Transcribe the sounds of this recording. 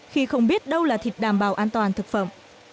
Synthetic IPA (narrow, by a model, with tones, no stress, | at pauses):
xi˧xə˧wŋ͡mɓi˦˥ət̚ɗə˧wlaː˨˩t̪ʰi˨˩k̚ɗaː˧˩mɓaː˨˩wʔaː˧nt̪waː˨˩nt̪ʰɨ˨˩k̚fə̰˧˨m